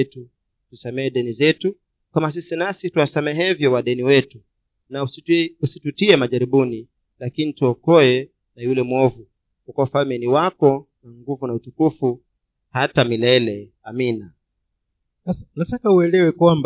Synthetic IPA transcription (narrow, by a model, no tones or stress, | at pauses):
tu | tusamɛːɗɛnizɛtu | kamas̬isinasituwasamɛɦɛvjɔwaɗɛniwɛtu | nausitutiɛmaʄaɾiɓuni | lakinituɔkɔɛ | najulɛmɔvu | kukɔwafalmɛniwakɔ | naŋɡuvunautukufu | hatamilɛlɛ | amina | anatakauɛlɛwɛkwamb